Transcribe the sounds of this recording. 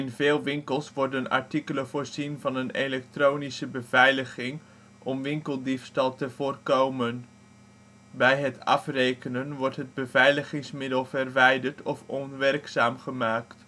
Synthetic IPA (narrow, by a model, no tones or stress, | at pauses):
ɪnvɪːlˠʋɪŋkəlˠsʋɔɹdənɑ̰ɹtikələvoːɹzinvɑnənelɛk̚troːwnisəbəv̥ɛjləχɪŋ | ʔɔmʋɪŋkəlˠdifstɑlˠtəv̥oːrkowmən | bɛjɦətɑfrejkənənʋɔɹtɦəd̚bəvɛjləχɪŋsmɪdəlˠvərʋɛjdəɹtʰɔfɔnʋɛrksaːmχəmaːkt